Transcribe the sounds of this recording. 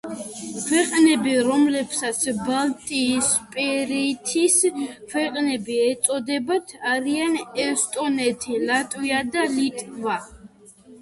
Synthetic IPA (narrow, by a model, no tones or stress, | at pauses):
kʰwɛqʼnɛbiɾɔmlɛpsat̪sʰbalt̪ʼiːspʼɛɾit̪ʰiskʰwɛqʼnɛbiɛt̪sʼɔd̪ɛbat̪ʰaɾianɛst̪ʼɔnɛt̪ʰilat̪ʼwiad̪alit̪ʼva